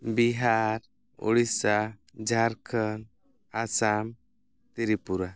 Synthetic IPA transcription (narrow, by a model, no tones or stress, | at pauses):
biɦaɾ | ṵɽisa | d͡ʒʱaɾkʰən | asam | t̪iɾipuɾa